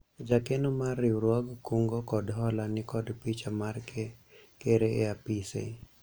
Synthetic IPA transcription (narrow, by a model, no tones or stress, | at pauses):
d͡ʒakenomarːiwɾwaɡkuŋɡokɔdɦɔlanɪkɔdpit͡ʃamarkʰekeɾeeapisḛ